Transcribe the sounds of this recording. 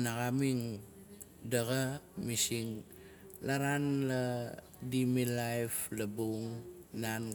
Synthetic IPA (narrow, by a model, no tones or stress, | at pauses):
naɣamiŋ | daɣamisiŋ | laɾanla | dimilajflabuŋnan